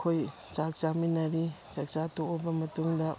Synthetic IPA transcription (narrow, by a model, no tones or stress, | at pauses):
kʰoj | t͡ʃak̚t͡ʃaminɐɾit͡ʃak̚t͡ʃatoːbɐmɐtuŋdɐ